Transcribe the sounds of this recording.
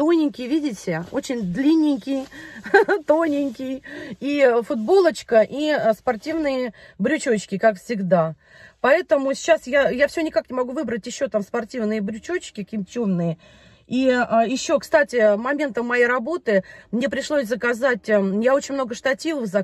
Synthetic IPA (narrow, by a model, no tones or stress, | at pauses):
t̪onʲɪŋʲkʲɪjvʲidʲɪtʲɪo̞t͡ɕɪnʲd̪lʲinʲːɪŋʲkʲɪj | t̪onʲɪŋʲkʲɪjifʊd̪bo̞lˠət͡ɕkəʔispɐrtʲivnɨjə | bɾʲʉt͡ɕot͡ɕkʲɪkakfsʲɪɡd̪a | pɐɛt̪əmʊsʲt͡ɕːasjajafsʲɪonʲɪkaknʲɪmɐɡuvɨbɾətʲjɪɕːo̞t̪amspɐrtʲivnɨjəbɾʲʉt͡ɕot͡ɕkʲɪkʲɪmtʲumnɨjə | iəjɪɕːo̞kst̪atʲɪmɐmʲe̞nt̪əmːɐjejɾɐbo̞t̪ɨmnʲe̞pɾʲɪʂlˠosʲzəkɐzatʲjao̞t͡ɕɪnʲmno̞ɡəʂt̪ɐtʲivəfzɐ